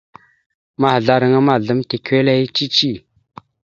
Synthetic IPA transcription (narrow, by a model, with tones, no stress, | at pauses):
ma˨ɦɮa˨ɾə˨ŋama˨ɮə˩˨mt̪e˨kʰe˥˨la˦ji˦t͡ɕi˦˨t͡ɕi˨